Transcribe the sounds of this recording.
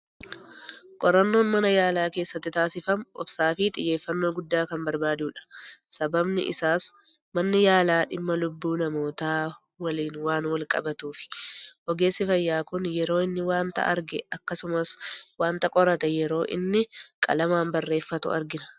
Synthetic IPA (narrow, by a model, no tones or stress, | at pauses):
kʼɔɾɐnːo̞ːnmɐnɐjaːlaːke̞ːsːɐt̪ːɪt̪aːsɪfɐmʔɔ̰bsaːfit̪ʼɪ̰jːe̞ːfːɐnːo̞ːɡʊd̪ːaːkɐmbɐɾbaːd̪uːᶑɐ̥sɐbɐbnɪ̰ʔɪ̰saːs | mɐnːɪjaːlaːᶑɪmːɐlʊbːuːnɐmo̞ːt̪aː | wɐliːnwaːnwɐlkʼɐ̰bɐt̪uːfɪ̥ʔɔɡe̞ːsːɪfɐjːaːkʊnjɛɾo̞ːɪnːɪwaːnt̪ɐ̰ʔɐ̰ɾɡɛ̰ɐkːɐsʊmɐswaːnt̪ɐkʼɔɾɐt̪ɛjɛɾo̞ːʔɪ̰nːɪkʼɐ̰lɐmaːmbɐrːe̞ːfːɐt̪ʊ̰ɐ̰ɾɡɪnɐ̥